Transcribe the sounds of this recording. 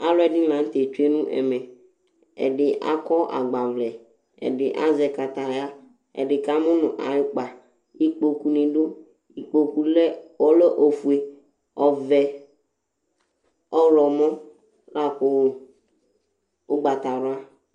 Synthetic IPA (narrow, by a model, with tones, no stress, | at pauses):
a˨lɔ˦ɛ˨dɪ̃˦lã˨n̩˦t̪e˨t͡ʃu˦e˦nũ˦ʔɛ̰˨mɛ̃˨ | ɛ̰˨ɖɪ˦ʔa̰˦kɔ˦ʔa̰˨ɡ͡ba˨vlɛ˨ | ɛ̰˨ɖɪ˨ʔa˦zɛ˨ka˨t̪a˨ja˦ | ɛ̰˨ɖɪ˨ka˦mʊ̃˦nʊ̃˨ʔa̰˨jɪ˦k͡pa˨ | i˦k͡po˨ku˦nẽ˨ɖo˦ | i˨k͡po˨ku˦lɛ˦ɔ˦le˦ʔo˨fu˨e˨ | ɔ˨vɛ˨ | ɔ˦lɔ˨mɔ̃˦ | la˦˨kʊ˨ | ʊ˦ɡ͡ba˨t̪a˨ɾʊ˦a˦